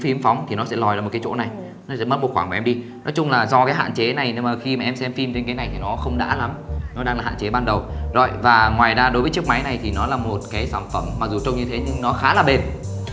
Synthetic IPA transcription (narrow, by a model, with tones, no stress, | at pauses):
fi˨˦mfɔ˨˦wŋ͡mt̪ʰi˨˩nɔ˨˦sɛ̰˧˥lɔ˨˩jːm˨˩tkaː˨˦t͡ɕo̰˧˥na˨˩j | nɔ˨˦sɛ̰˧˥mə˦˥t̚m˨˩t̚xaː˧˩kːʔɛ˧mɗi˧ | nɔ˨˦jt͡ɕʊ˧ŋ͡mlaː˨˩zɔ˧kaː˨˦jɦa̰ː˧˨t͡ɕe˨˦na˨˩jne˧maː˨˩xi˧maː˨ʔɛ˧msɛ˧mfi˧mt͡ɕe˧nka˨˦na˨˩jt̪ʰi˨˩nɔ˨˦xə˧wŋ͡mɗa̰ː˧˥la˨˦mnɔ˨˦ɗaː˧ŋla˨˩a̰ː˧˨t͡ɕe˨˦ɓaː˧nɗə˨˩wzo̰˧˨jvaː˨˩ŋwaː˨˩jzaː˧ɗo˨˦jvəː˨˦t͡ɕɨ˦˥ək̚ma˨˦jna˨˩jt̪ʰi˨˩nɔ˨˦laː˨˩mo˨˩t̚kaː˨˦jsaː˧˩nfə˧˩mːa˨˩k̚zu˨˩t͡ɕə˧wŋ͡mɲɨ˧t̪ʰe˨˦ɲɨ˧ŋnɔ˨˦xaː˨˦laː˨˩ɓe˨˩n